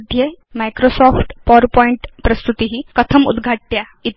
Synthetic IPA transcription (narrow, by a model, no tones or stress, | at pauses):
d̪ʱjemajkɾosɔfʈpɔɾpɔiɳʈpɾəst̪ut̪iɦiːkət̪ʰəmṵd̪ɡʱaʈːja | it̪